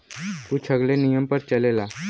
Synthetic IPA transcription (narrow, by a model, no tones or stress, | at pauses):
t̪uːt͡ɕʰəɡlenijəmpəɾt͡ɕəlela